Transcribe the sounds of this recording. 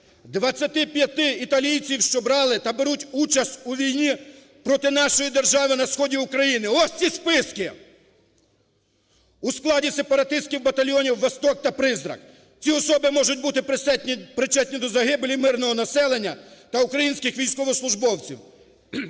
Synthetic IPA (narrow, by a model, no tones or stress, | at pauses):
d̪ʋɐt͡sʲːɐt̪ɪpʲjɐt̪ɪit̪ɐlʲijt͡sʲiwʃt͡ʃɔbɾɑlˠɪt̪ɐbeɾutʲut͡ʃɐst̪ʲuʋʲijnʲi | pɾɔt̪ɪnɑʃɔjid̪erʒɑʋɪnɐsxɔdʲiukɾɐjinɪɔt͡sʲispɪskɪ | usklˠɑdʲisepɐɾɐt̪ɪst̪̚kʲiwbɐt̪ɐlʲjɔnʲiwːɐst̪ɔk̚t̪ɐpɾɪzɾɐ̰k | t͡sʲiɔsɔbɪmɔʒʊt̚ʲbut̪ɪpɪpɾɪt͡ʃɛt̪ʲnʲɪd̪ɔzɐɦɪblʲimɪrnɔɦɔnɐsɛlˠenʲːɐt̪ɐukɾɐjinʲsʲkʲɪxʋʲijsʲkɔʋɔslˠʊʒbɔwt͡sʲḭw